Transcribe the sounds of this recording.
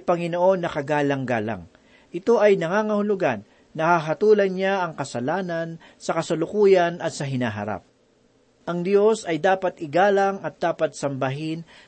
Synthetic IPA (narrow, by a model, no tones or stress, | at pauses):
pɐŋɪnoʔo̞nːɐkɐɡaːlɐŋɡaːla̰ŋ | ʔɪt̪o̞ʔɐjnɐŋaːŋɐhʊlʊɡanː | ɐhaɦɐt̪uːlɐnɲaʔɐŋkɐsɐlaːnɐn | sɐkɐsɐlʊkuːjɐnɐt̪̚sɐɦɪnaːɦɐ̰ɾa̰p̚ | ʔɐŋd̪jo̞sɐjd̪aːpɐt̪ɪɡaːlɐŋɐt̪̚d̪aːpɐt̪̚sɐmbɐɦɪn